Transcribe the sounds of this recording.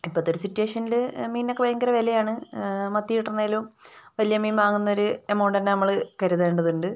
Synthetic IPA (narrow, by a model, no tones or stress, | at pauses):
ipːɐt̪ːoɾusitːueːʂɐnːilmiːnːokːebɐjɐŋɡɐɾɐʋelejaːɳɨmɐt̪ːijiʈːɐneːlumʋɐlijɐmiːnʋaːŋunːɐoɾuemːoːɳɖenːenɐmːɐɭkɐɾuðeːɳɖɐðuɳɖɨ